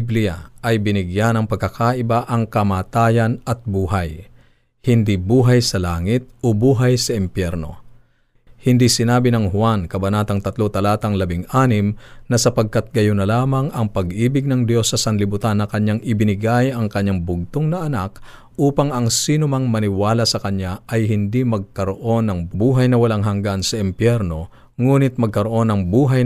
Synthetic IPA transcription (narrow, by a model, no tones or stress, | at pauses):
blɪa̰ʔɐjbɪnɪɡjanɐŋpɐɡ̚kːɐkʰaʔɪbaʔɐŋkɐmaːt̪aːjɐnɐt̪̚buːɦɐj | hɪnd̪ibuːɦɐjsɐlaːŋɪt̪̚ʔobuːɦɐjsɐʔɪmpjɛɾno̞̰ | hɪnd̪isɪnaːbɪnɐŋhwankɐbɐnaːt̪ɐŋt̪ɐt̪lot̪ɐlaːt̪ɐŋlɐbɪŋʔaːnɪmnɐsɐpɐɡ̚kat̪̚ɡɐjonɐlaːmɐŋɐŋpɐɡʔiːbɪɡ̚nɐŋd̪jo̞sːɐsɐnlɪbʊt̪anːɐkɐɲːaŋɪbɪnɪɡajɐŋkɐɲːaŋbʊɡ̚t̪oŋnɐʔɐnak | ʔuːpɐŋɐŋsiːnʊmɐŋmɐnɪwaːlɐsɐkɐɲːaʔɐjhɪnd̪imɐɡ̚kɐɾoʔo̞nːɐŋbuːɦɐjnɐwɐlaŋɦɐŋɡansɐɪmpjɛɾno̞ | ŋuːnɪt̪̚mɐɡ̚kɐɾoʔo̞nɐŋbuːɦɐj